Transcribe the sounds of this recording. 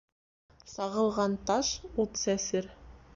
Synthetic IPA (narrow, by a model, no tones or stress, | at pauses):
sɑʁɤ̆lˠʁɑnt̪ɑʃut̪sæsɘɾ